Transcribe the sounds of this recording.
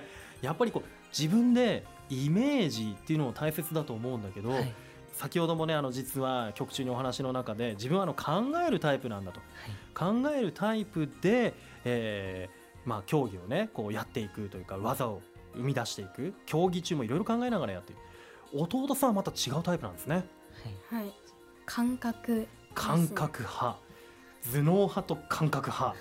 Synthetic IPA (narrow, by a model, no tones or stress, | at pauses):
japːaɾʲiko̞ː | d͡ʑibɯ̟̃nd̪e̞ | ime̞ːʑit̪ːe̞iɯ̟no̞mot̪aise̞t͡sɨd̪at̪o̞ːmo̞ɯ̟̃nd̪ake̞d̪o̞ | sakʲiho̞d̪o̞mo̞ne̞ano̞d͡ʑit͡sɨβakʲo̞kɯ̟̥t͡ɕɨːɲ̟io̞ɦanaɕino̞nakad̪e̞d͡ʑibɯ̟̃ɰ̃anokʰãŋɡae̞ɾɯ̟t̪aipɯ̟nãnd̪at̪o̞̥kʰãŋɡae̞ɾɯ̟t̪ʰaipɯ̟d̪e̞ | eː | makʲo̞ːɡʲio̞ne̞ko̞ːjat̪ːe̞ikɯ̟t̪o̞jɯ̟kaβazao | ɯ̟mʲid̪aɕi̥t̪e̞ikɯ̟kʲʰo̞ːɡʲit͡ɕɨːmo̞iɾo̞iɾo̞kãŋɡae̞naɣaɾaja̰t̪ːe̞iɾɯ̟ | ot̪o̞ːt̪osɨβamat̪at͡ɕiɡaɯ̟t̪aipɯ̟ãnd̪sɨne | hi | kʰãŋkakɯ̟ | kʰãŋkakɯ̟ha | d͡zɨno̞ːhat̪o̞kʰãŋkakɯ̟ha